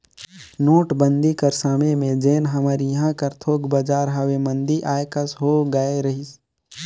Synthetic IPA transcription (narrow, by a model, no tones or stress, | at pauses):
noːʈbə̃nd̪ikəɾsaːmemẽd͡ʒeːnɦəmaːɾijəɦãkəɾt̪ʰoːɡbəd͡ʒaːɾɦəʋemə̃nd̪iʔaːekəsɦoːɡəeɾɐɦis